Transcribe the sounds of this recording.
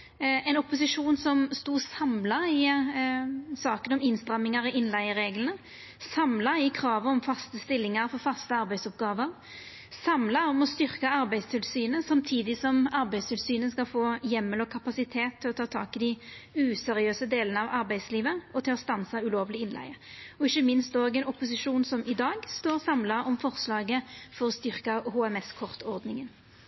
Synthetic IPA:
ɛɪnɔpːʊsɪʂuːnsɔmst̪uːsɑmlɑɪ | sɑːkənɔmɪnst̪ɾɛmːɪŋɑɾɪʔɪnlæɪəɾeːɡlən̩ə | sɑmlɑɪkʰɾɑːʋəɔmfɑst̪əst̪ɪlːɪŋɑɾfɔɾfɑst̪əɑɾbæɪsɔpɡɑːʋəɾ | sɑmlɑɔmɔst̪ʏɾkɑɑɾbæɪst̪ʰɪlsyːnəsɑmt̪ʰiːd̪ɪsɔmɑʁbæɪst̪ʰɪlsyːnəskɑlfoːjɛmːəlɔkʰɑpɑsɪt̪ʰeːt̪ʰːɪlɔt̪ʰɑːɔt̪ʰɑ̰ːkɪd̪ɪʉːsɛɾɪøːsəd̪eːlənəɑʋɑɾbæɪd̪sliːʋəɔt̪ʰɪlɔst̪ɑnsɑʉloːʋəlɪɪnlæ̰ɪə | ɔɪçəmɪnst̪oːɡɛnɔpʊsɪʂuːnsɔmɪd̪ɑːɡst̪oːʁsɑmlɑʁɔmfɔʁslɑːɡəfɔʁɔst̪ʏʁkɑhoːɛmɛskʰɔʁt̪ʰɔʁd̪nɪŋən

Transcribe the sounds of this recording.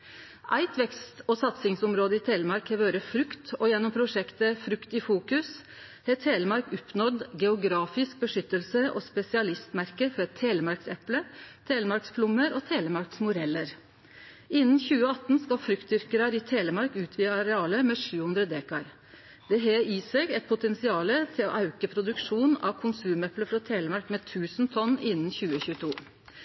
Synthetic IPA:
ʔæɪt̪ʰʋɛkst̪oːsɑt̪sɪŋsʊmɾoːd̪əɪːt̪ʰeːləmɑɾkheːʋøːɾəfɾʉkt̪ɔjɛnːɔmpʰɾʊʂɛkt̪əfɾʉkt̪ifuːkʉs | heːt̪ʰeːləmɑɾkʊpnɔd̪ɡɛʊɡɾɑːfɪsk̚bəʂʏt̪ːəlsəʔo̰ːspɛsɪɑlɪst̪mæɾkəfɔɾɛt̪ʰːeːləmɑɾksɛplət̪ʰeːləmɑɾksfʰlʊmːəɾoːt̪ʰeːləmɑɾksmʊɾɛlːəɾ | ɪnːn̩çʉːəɑt̪ːn̩skɑfɾʏkt̪ʏɾkəɾɑɾɪt̪ʰeːləmɑɾkʉːt̪ʰʋiːəɑɾɛɑːləmɛːʂʉːhʉnd̪ɾəd̪eːkɑɾ | d̪̥ɛɦeːiːsɛɡɛt̪̚pʰʊt̪ɛnsɪɑːlət̪ʰɪlo̰ːʔɑʉkəpʰɾʊd̪ʉkʂuːnɑ̰ʋkʰʊnsʉːmɛpləfɾɔt̪ʰeːləmɑɾkmɛːt̪ʰʉːsnt̪ʰɔnːɪnnçʉːəçʉːət̪ʰuː

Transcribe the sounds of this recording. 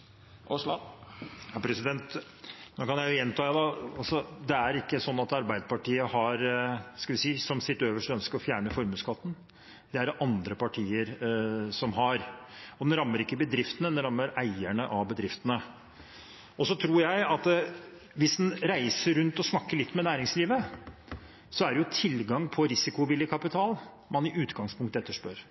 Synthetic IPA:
ɑpʰɾɛsɪd̪ɛnt̪ | nokɑnjæɪjʊjɛnt̪ʰɑːæd̪ɑɑlsɔd̪ɛæɾɪkːəsɔnːɑt̪ɑɾbæɪd̪əpɑʈiːəhɑɾskɑʋɪsiːsɔmsɪt̪ːøːʋəʂʈœnskəɾɔfjæːɳəfɔɾmʉːskʰɑt̪ːn̩ | d̪̥ɛæɾʔɑnd̪ɾəpɑʈʰiːəɾsɔmɦɑɾɔd̪ɛnɾɑmːəɾɪkːəbəd̪ɾɪft̪ənəd̪ɛnɾɑmːəɾæɪæɳəʔɑʋbəd̪ɾɪft̪ənə | ɔsɔt̪ʰɾuːɾjæɪɑt̪ | ʋɪsd̪ɛnɾæɪsəɾʉnt̪ɔsnɑkːəɭɪt̪ːmɛnæːɾɪŋsliːʋə | sɔæɖɛjʊt̪ʰɪlɡɑŋpʰɔɾɪsɪkʊʋɪljəkʰɑpɪt̪ʰɑːl | mɑnɪʔʉːt̪ɡɑŋspʰʊŋkt̪əɛt̪ːəʂpœɾ

